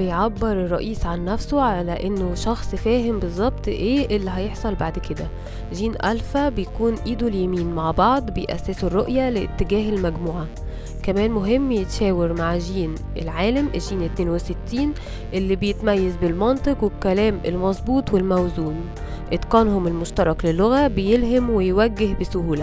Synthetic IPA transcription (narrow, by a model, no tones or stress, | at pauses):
bejʕabːeɾerˤːɑʔiːsʕanːæfsoʕalæʔenːoʃɑxsˤfæːɦɪmbezˤːɑb̚t̪ˤʔeːʔelːiɦɑjeħsˤɑlbaʕd̪ked̪æ | ʒiːnʔælfæbejkuːnʔiːd̪uljæmiːnmaʕbɑʕd̪ˤbejʔæ̰sːæːsurˤːoʔjælet̪ːɪɡæːɦelmæɡmuːʕa | kæmæːnmoɦemːjet̪ʃæːwɪɾmaʕʒiːn | ʔḛlʕaːlamʔeʒiːnet̪neːnweset̪ːiːn | ʔelːibejet̪mæjːæzbelmɑnt̪ˤɨqwekːælæːmelmɑzˤbuːt̪ˤwelmæwzuːn | ʔet̪qɑːnhomelmoʃt̪ɑɾˤɑklelːoɣæbejelɦæmwejwæɡːehbesʊhuːlæ